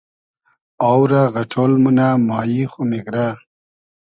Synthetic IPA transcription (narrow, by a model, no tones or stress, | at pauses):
awɾaɣaʈʰoːlmunamaːjixomiɡɾa